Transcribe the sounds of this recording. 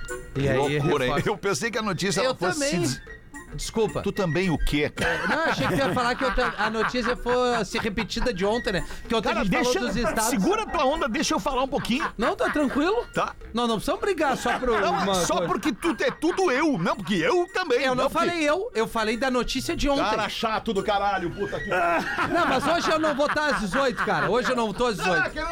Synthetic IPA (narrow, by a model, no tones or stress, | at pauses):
aloikuɾɐewpẽsejkɪɐnot͡ʃisjɐɛlewtfɐõmbẽĩj̃ | d͡ʒɪskupɐ̰t̪ut̪ɐ̃mbẽj̃ʊkɪɛkaɾnɐ̃w̃aʃejkɪijɐfalaɾkɪewt̪ɐ̃ɐnot͡ʃisiɐfosɪʁepɪt͡ʃid̪ɐd͡ʒɪõnt̪ẽj̃nɛpɾkɪotkɾɐʒẽt͡ʃɪd̪feʃoɐd̪ʊzist̪asd̪isɡuɾɐplɐõnd̪ɐd̪eʃʊewfalaɾũpokĩɲʊnɐ̃w̃t̪ot̪ɾɐ̃kwilʊt̪a | nɐ̃w̃nɐ̃w̃pɾszɐ̃mʊbɾiɡaɾsɔpɾʊɐ̃mɐsɔppʊɾkɪt̪uɛt̪ud̪ʊewnɐ̃w̃p̬ʊɾkɪewt̪ɐ̃mbẽj̃ewnɐ̃w̃fallejewewfalejd̪ɐnot͡ʃisiɐd͡ʒɪõk̪taẽɾaʃat̪ʊd̪ʊkaɾaʎʊput̪ɐkinɐ̃w̃mɐzoʒɪewnɐ̃w̃vot̪aɾɐzd͡ʒɪzojt̪ʊ̥kaɾɐoʒɪewnɐ̃w̃vot̪oɐzd͡ʒɪzojtʊ